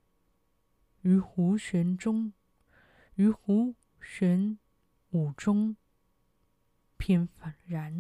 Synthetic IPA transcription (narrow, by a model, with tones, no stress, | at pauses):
y˧˥xu˧˥ɕɥɛ˧˥nʊ˥ŋ | y˧˥xu˧˥ | ɕɥɛ˧˥n | u˨˩ʈ͡ʂʊ˥ŋ | pʰi˨˩nfa˨˩nɻa˧˥n